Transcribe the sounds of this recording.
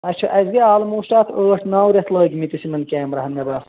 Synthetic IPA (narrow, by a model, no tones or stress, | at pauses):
ɐt͡ʃʰɐʔɐzɡeaːlɨmuːʃʈaːt̪ʰəːʈʰnaːwɾʲɐt̪ləːɡʲimit̪isimɐnkʲæːmɾɐɦɐmːɐd̪aːs